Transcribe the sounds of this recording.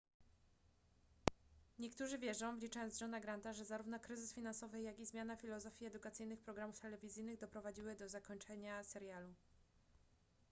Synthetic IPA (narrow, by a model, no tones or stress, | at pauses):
ɲɛkt̪uʐɘvʲjɛʐɔ̃w̃vlʲit͡ʂajɔnzʐɔnaɡɾant̪aʐɛzaɾuvnɔkɾɘzɘsfʲinansɔvɘjaɡʲizmʲjanafʲilɔzɔfʲjiɛd̪ukat̪sɘjnɘxpɾɔɡɾamuft̪ɛlɛvʲizʲɘjnɘɣd̪ɔpɾɔvad͡ʑiwɘd̪ɔzakɔɲt͡ʂɛɲasɛɾjalu